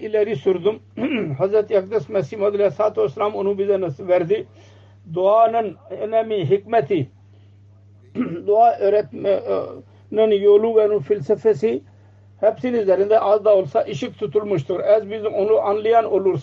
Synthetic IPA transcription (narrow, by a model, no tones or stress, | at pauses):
ilɛɾisʊɾd̪ʊm | ɦɐzɾɐt̪jɐk̚d̪əsmɛsimɐd̪ɐlɛsaːt̪osːɐlaːmonũːbizɛnɐsʋɛɾziː | d̪ʊaːnɐnnɛmĩɦɪkmɛt̪i | d̪ʊaːɾɛm | nɐnjoːluːʋɛnũːfʰilsəfesi | hɛbsinizɐɾĩnd̪eʔaːzd̪aːolsaːʔɪʃɪkt̪ʰut̪ulmʊʃt̪uɾɛzbizonuʔɐnlijaːnoluɾs